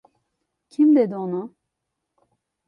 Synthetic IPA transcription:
cʰimd̪ɛd̪onu

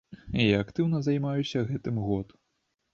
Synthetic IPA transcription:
iaɐkt̪ɨwnɐzɐjmajusʲɐɣɛt̪ɨmɣɔt̪

